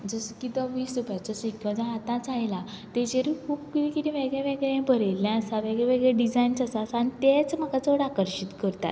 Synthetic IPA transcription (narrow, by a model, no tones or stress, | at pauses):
d͡zəskit̪əʋiːsɾupjat͡ɕɔsikə̃d͡ʑãɦat̪ãt͡sajla | t̪ed͡ʑeɾikʰuːpkiɾikit̪ĩʋeɡɭeʋeɡɭẽbʱəɾelːjãəsaʋeɡɭɛʋeɡɭeɖid͡zaint͡səsat͡sanit̪et͡sməɡat͡səɽakəɾɕit̪kəɾt̪a̰t̪